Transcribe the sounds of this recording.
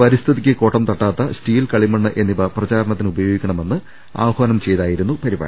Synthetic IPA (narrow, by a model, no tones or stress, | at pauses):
pɐɾist̪ʰiðikʲːɨko̞ːʈːɐmt̪ɐʈːaːt̪ːɐstiːlkɐɭimɐɳːɨʔe̞nːiʋɐprɐt͡ɕaːɾɐɳɐt̪ːinubɐjo̞ːɡikʲːɐɳɐme̞nːɨ | a̰ːʋɐhʋɐnɐmt͡ɕe̞jðaːjiɾunːupɐɾiba̰ːɐ